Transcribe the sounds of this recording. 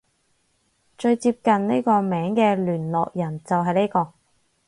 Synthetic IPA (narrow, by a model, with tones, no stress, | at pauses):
t͡ʃɵ˧ɥt͡siː˧p̚kɐ˨nne˥jkɔː˧mɛː˨˥ŋkɛː˧lyː˨˩nlɔː˨k̚jɐ˨˩nt͡sɐ˨wɦɐ˨jne˥jkɔː˧